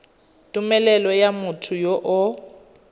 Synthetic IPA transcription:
tʼʊmɛlɛlɔjamʊtʰʊjoʔʊ

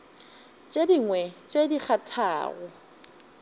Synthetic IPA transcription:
t͡ʃʼediŋwɛt͡ʃʼedik͡xʰatʰa̰ːɣʊ

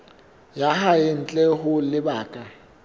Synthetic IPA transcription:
jaɦajɪn̩t͡ɬʼɛhʊlɪbaːkʼa

